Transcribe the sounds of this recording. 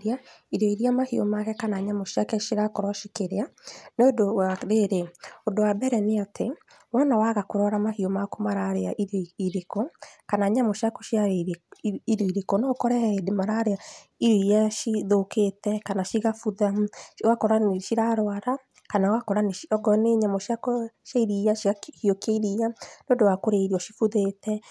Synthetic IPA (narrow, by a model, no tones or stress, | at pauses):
ɾiaiɾeiɾiamahio̰makɛkanaɲamoʃiakɛʃiɾakɔɾwaʃikeɾeaneodowaɾeɾeodowabɛɾɛneatʰe | mwanawaɣakoɾɔɾamahiomakomaɾaɾeaʔiɾiɾekokanaɲamoʃakoʃia | iɾeiɾekonɔkɔɾɛedemaɾaɾea | iɾiaʃiðoketɛkanaʃiɣafuðawakɔɾaneʃiɾaɾoaɾa | kanawakɔɾaneʃiɔɡɔneɲamɔʃakɔʃaiɾiaʃiahiokeiɾianodowakoɾeiɾiɔʃifuðetɛ